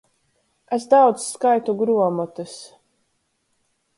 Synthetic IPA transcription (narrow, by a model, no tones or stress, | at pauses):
esd̪awd̪skajt̪uɡɾuɔmɔt̪ɨs